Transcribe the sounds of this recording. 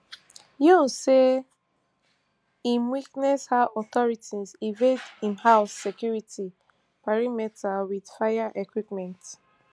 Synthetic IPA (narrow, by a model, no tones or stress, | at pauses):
jɔ̃nse | ĩmwiknɛshaɔtɔɹitizivedĩnhaʊsːɛkjuɹitʰi | paɹimɛtʰawid̥fajaʔekwipmɛ̃nt